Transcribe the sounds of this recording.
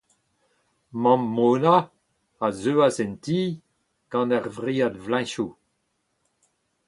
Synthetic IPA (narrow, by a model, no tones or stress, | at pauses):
mɑ̃mːoːna | azøːazɛntiː | ɡ̥ɑ̃naʁvʁiːadvlɛ̃ʃu